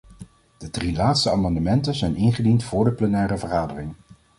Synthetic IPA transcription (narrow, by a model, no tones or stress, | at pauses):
d̥ədrilaːtstəaːmɑndəmɛntənzɛjnɪnχədintfʊːɹdəplɛnɛːrəvəχaːdərɪŋ